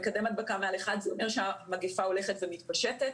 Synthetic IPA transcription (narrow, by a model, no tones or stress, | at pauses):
kad̪emad̪̚bakamealeχad̪zeomeʁʃeamaɡefao̞le̞χet̪vemit̪paʃetet